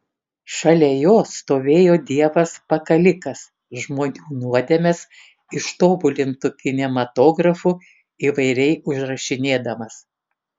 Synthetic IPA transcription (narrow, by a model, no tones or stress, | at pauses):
ʃɐlʲɛjoːst̪oːʋʲeːjoːd̪ʲiɛʋɐspɐkɐlʲɪkɐs | ʒmoːnʲuːnuɔd̪ʲemʲɛs | ɪʃt̪oːbʊlʲɪnt̪ʊkʲɪnʲɛmɐt̪oːɡɾɐfu | iːʋɐɪɾʲɛɪʊʒɾɐʃʲɪnʲeːd̪ɐmɐs